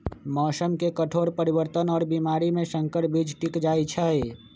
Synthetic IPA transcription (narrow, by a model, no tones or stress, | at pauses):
mɔːsəmkekəʈʰoɾpəɾiβəɾt̪ənɔːɾbimaɾimesəŋkəʈbid͡ʒʈikd͡ʒajt͡ʃʰə